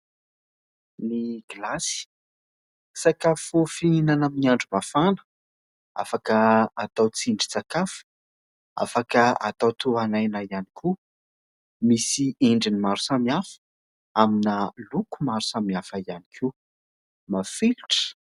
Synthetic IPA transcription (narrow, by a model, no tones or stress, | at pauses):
niɡ̥ilasi̥ | sakafufiinanamiiaɳɖ͡ʐumafanə̥ | a̰fakəːt̪awt͡siɳɖ͡ʐit͡sakafə̥ | a̰fakəa̰t̪awt̪ʰuanajnaianikʰu | misiiɳɖ͡ʐinimaɾu̥samiafə̥ | aminalukumaɾusamiafaianikʰiu | mafiluʈ͡ʂə̥